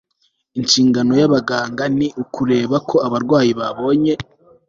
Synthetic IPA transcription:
iɲt͡ʃiːŋɡano̞jaβaɡaːŋɡaniʔukuɾe̞ːβakʰo̞aβaɾɡwaːjiβaβo̞ːɲe̞

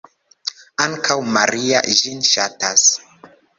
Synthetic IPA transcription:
aŋkʰawmaɾia̰ʒinʃatas

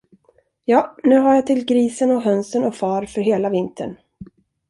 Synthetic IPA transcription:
jɑːnʉ̟ːɦaɾjat̪ʰɪlɡɾiːsənɔɦœnsənɔfɑːɾfœɾɦeːlavɪnt̪ʰə̰ɳ

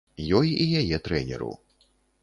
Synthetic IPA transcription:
jɔjijajɛt̪ɾɛnʲɛ̰ɾṵ

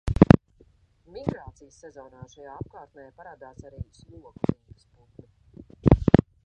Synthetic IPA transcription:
miɡɾaːt̪sijəsːɛzɔːnaːʃajaːap̚kaːɾt̪̚nɛːjapaɾaːd̪aːsaɾiislˠuɔkuɾiːbə̥sput̪li

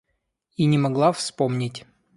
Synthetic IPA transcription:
inʲɪmɐɡlˠafspomnʲɪtʲ

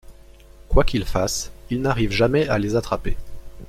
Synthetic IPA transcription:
kwakʲilfasilnaʁivʒamɛalezat̪χape

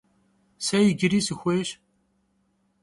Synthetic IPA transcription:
sæjəɡɾisəxʷæʃ

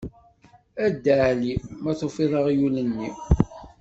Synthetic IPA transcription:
æd̪ːəʕlimæθofirˤəʁjulənːi

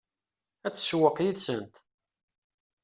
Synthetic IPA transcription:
æt͡sːə̥ʃwəqjiðsənt̪

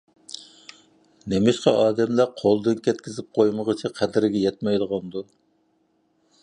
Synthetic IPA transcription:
nemɪʃqɑʔɑːd̪ɛmlæqʰolˠd̪ɨnkʲʰɛt̪̚kʲɪzɪp̚qʰojməʁət͡ʃʰiqʰæd̪ɪɾɪɡʲɛjɛt̪̚mɛjlˠəʁɑnd̪u

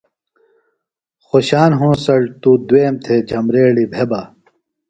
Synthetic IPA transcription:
xoɕaːnɦõːsɐɽt̪ud̪weːmt̪ʰed͡ʑʱɐmɾeːɽibʱebaː

